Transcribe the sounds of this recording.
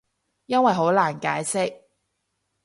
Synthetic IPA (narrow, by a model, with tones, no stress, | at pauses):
jɐ˥nwɐ˨jɦo˨˥wlaː˨˩nkaː˨˥jsɪ˥k̚